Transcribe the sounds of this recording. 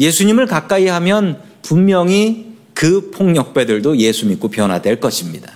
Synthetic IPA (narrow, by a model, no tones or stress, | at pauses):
je̞sʰuɲimɯɭkak͈aiɦamjʌn | pummjʌŋi | kɯpʰoŋɲʌk̚p͈e̞dɯɭdoje̞sʰumik͈opjʌnɦwadwe̞ɭk͈ʌɕʰimɲida